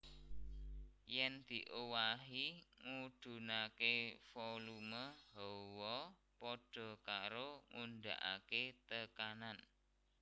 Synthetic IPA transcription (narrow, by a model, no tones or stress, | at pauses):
jɛnd̪̥i̤ʔowaɦiŋud̪̥ṳnakefoluməhɔwɔ | pɔɖ̥ɔ̤kaɾoŋund̪a̰ʔa̰ket̪əkanan